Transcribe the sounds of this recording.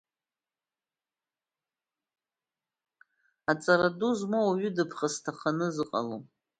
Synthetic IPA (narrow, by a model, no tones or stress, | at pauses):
at͡sʼaɾaduzmoaɥʏdɨpʰχastʰaχanɨzɨqʼa̰lo